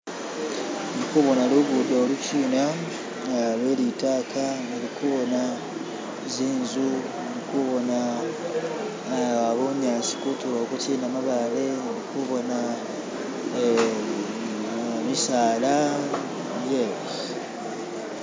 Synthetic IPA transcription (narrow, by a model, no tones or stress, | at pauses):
nikuβo̞naluɡudaoluciːna | alweːlitaːka | eɾikuβo̞na | ziːnzu | nikuβo̞na | aβomjaːsi̥kutulokucinamaβale̞eɾikuβo̞na | misaːla | je | i